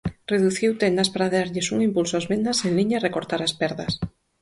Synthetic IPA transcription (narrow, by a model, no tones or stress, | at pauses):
reðuθiwt̪end̪aspaɾaðaɾʎɪsuŋimpulsoazβend̪asẽnliɲaarekoɾt̪aɾaspɛɾðas